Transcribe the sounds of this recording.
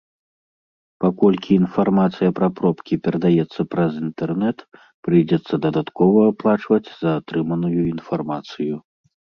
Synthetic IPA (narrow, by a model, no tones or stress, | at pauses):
pakɔlʲkʲiːn̪farmat̪sɨjɐpɾɐpɾɔpkʲipʲɛɾɐd̪ajɛt̪sːɐpɾɐzint̪ɛrnɛt̪ | pɾɨjd͡zʲɛt̪sːɐd̪ɐd̪at̪kɔvɐːplˠat͡ʂvɐd͡zʲzɐːt̪ɾɨmɐnujuinfarmat̪sɨju